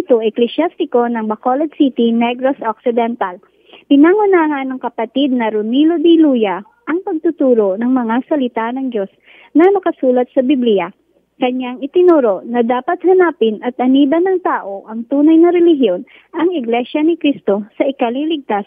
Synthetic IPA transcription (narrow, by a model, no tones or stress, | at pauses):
t̪oʔɛklɛsjast̪ɪko̞nɐŋbɐkolɐd̪sit̪inɛɡɾosʔok̚sɪd̪ɛnt̪ɐl | pɪnaŋʊnaːɦɐnːɐŋkɐpɐt̪id̪̚nɐɾʊnilod̪iluːjɐ | ʔɐŋpɐɡ̚t̪ʊt̪uːɾo̞nɐŋmɐŋasɐlɪt̪anɐŋd͡ʒo̞s | nɐnɐkɐsuːlɐt̪̚sɐbiblɪjɐ | kɐɲːaŋɪt̪ɪnoɾo̞ʔnɐd̪aːpɐt̪̚hɐnaːpɪnɐt̪̚ʔɐniːbɐnɐŋt̪aːʔo̞ʔɐŋt̪uːnɐjnɐɾɛlɪɦjo̞n | ʔɐŋɪɡlɛʃɐnɪkɾist̪o̞sɐʔɪkɐlilɪɡ̚t̪as